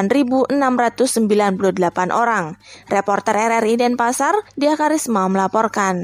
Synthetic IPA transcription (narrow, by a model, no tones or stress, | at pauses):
nribuʔənamrat̪ʊsːəmbilanpuluhdəlapanʔoɾaŋrepɔrt̪ərɛɾɛridɛnpasardiakaɾismaməlapɔrkan